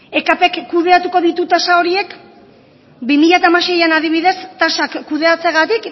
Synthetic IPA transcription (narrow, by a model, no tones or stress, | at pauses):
e̞kape̞kːuð̞e̞at̪uko̞ð̞it̪ut̪asao̞ɾie̞k | bimiʎat̪amaʃe̞janaðiβ̞iðe̞st̪aʃakkːuð̞e̞at͡seɣat̪ik